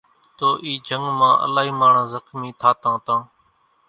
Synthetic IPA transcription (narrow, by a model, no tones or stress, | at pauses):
t̪oːʔiːd͡ʒʱəŋɡmãːʔə̰laːɦiːmaːɳ̤ãːzəxmiːt̪ʰaːt̪ãːt̪ãː